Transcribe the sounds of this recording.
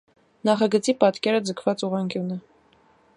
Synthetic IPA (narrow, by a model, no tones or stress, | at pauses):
nɑχɑɡət͡sipɑt̪kɛɾəd͡zəkʰvɑt͡suʁɑŋkʰjunə